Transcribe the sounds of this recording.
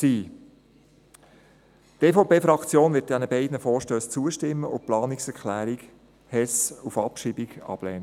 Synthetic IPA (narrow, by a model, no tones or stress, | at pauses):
siː | teːfoʊpeːfɾɑkt͡sjoːnvɪːt̚d̥ɛnəbɛɪdnəfɔːɾʃtøːst͡suəʃtɪmːəʊplɑːniksɛɾklæːɾik | hɛsufɑpʃiːbiɡɑ̰b̥lɛ̰ːnə